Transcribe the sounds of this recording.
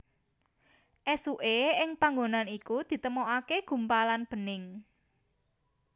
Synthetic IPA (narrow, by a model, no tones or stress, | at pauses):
ʔɛsuʔeɪŋpaŋɡonanikud̪̥i̤t̪əmoʔakeɡ̥ṳmpalanb̥ə̤nɪŋ